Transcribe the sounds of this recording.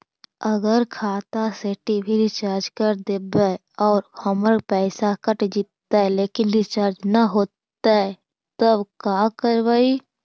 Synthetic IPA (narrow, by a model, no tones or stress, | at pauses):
əɡəɾkʰaːt̪aseʈibʱiɾɪt͡ʃaːɾd͡ʒkəɾd̪eːbə | ɔːɾhəməɾpɛːsakəʈd͡ʒɪt̪ːaɦɛleːkɪnɾɪt͡ʃaːɾd͡ʒnaɦoːt̪ː | aɦɛ | t̪əbkãːkəɾʋaːi